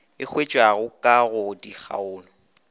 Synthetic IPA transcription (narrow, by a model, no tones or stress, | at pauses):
ɪk͡xʰwet͡ʃʼwaɣʊkʼaɣʊdik͡xa̰ʊːnʊ